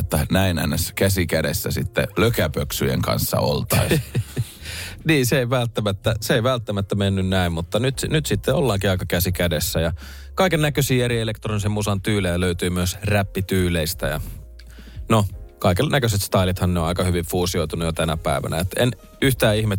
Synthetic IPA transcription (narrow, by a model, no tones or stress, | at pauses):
ot̪ːɑnæinæ̰nːeskæsikædḛsːæsit̪ːḛløkæpøksyjḛŋkɑ̰nsːɑ̰o̰lt̪ɑi | niːseeiʋælt̪ːæmæt̪ːæseeiʋælt̪ːæmæt̪ːæmenːynnæimmut̪ːɑnyt̪nyt̪sit̪ːeolːɑːŋkiɑikɑkæsikædesːæjɑ | kɑikennækøsiːeɾielekt̪ronisemmusɑnt̪yːlejæløyt̪yːmyøsræpːit̪yːleist̪æ̰jɑ̰ | nokɑikennækøset̪st̪ɑilit̪hɑnneõɑikɑhyʋiɱfuːsioit̪unujot̪ænæpæˑiʋæ̰næet̪ḛn | yht̪æːihme